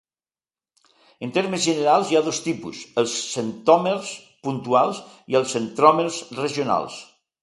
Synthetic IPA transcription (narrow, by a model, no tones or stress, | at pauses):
ənt̪eɾməzʒənəɾalˠzjaðost̪ipṵsəlˠsːənt̪ɔmeɾs | punt̪ualˠs | iəlˠsənt̪ɾɔmeɾzreʒiuna̰lˠs